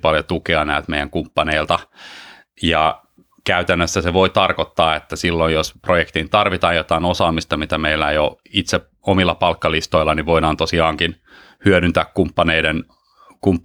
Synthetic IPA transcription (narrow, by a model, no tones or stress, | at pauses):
pɑljot̪ukeɑnæːlt̪mejˑæŋkumpːɑneilt̪ɑ | jɑ | kæyt̪ænːøsːæseʋoit̪ɑrkot̪ːɑːet̪ːæsilːojjosprojekt̪int̪ɑrʋit̪ɑːjjot̪ɑinosɑːmist̪ɑmit̪æmeilːæjo | it̪se | omilːɑpɑlkːɑlist̪oilːɑniʋʋoiɾɑːnt̪osiɑːŋkin | hyøɾynt̪æːkkumpːɑneiden | kum